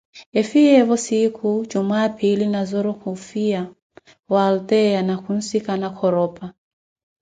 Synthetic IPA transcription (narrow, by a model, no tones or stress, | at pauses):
ɛfiɛvɔsikʰud͡ʒumaːpʰilinazɔɾɔkufia | waːltɛjanakun̩sikanakʰɔɾɔpa